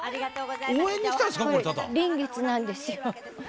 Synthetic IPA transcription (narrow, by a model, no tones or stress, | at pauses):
oːẽɲ̟ːisi̥k̪aɾsi̥kaot̪at̪a̰ɾẽ̞ŋɡe̞t͡sɨnãnd̪e̞sɨjo